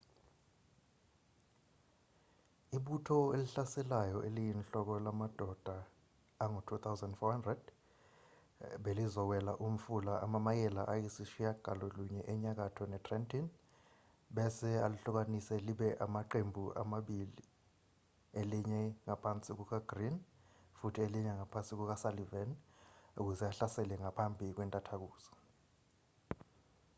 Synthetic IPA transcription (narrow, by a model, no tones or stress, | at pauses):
iɓutʰɔeliɬasɛlajɔʔelijinɬɔk̬ɔlamad̥ʱɔd̥ʱaː | ŋutʰut̪ʰawzandfɔhandrɛd̥ | ɓelizɔwɛla̰ʔum̩fulaʔamamajɛla̰ʔajisiʃijaɡ̥ʱalɔluɲɛʔɛɲak̬atʰɔnɛtʰrɛntʰin | ɓɛsɛa̰luɬuk̬anisɛliɓɛʔamaǃembʱuʔa̰maɓili | eliɲɛŋapʰant͡sʼik̬uk̬aɡ̥rinfutʰieliɲɛŋapʰant͡sʼik̬uk̬asalivɛnuk̬uzɛaɬasɛlɛŋapʰambʱik̬wɛntʼatʰak̬uːz̥ɔ̥